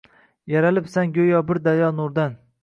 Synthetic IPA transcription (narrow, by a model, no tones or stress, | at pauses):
jaɾalɪpsanɡʲɵjɒbɪɾd̪ajɒnʊɾd̪an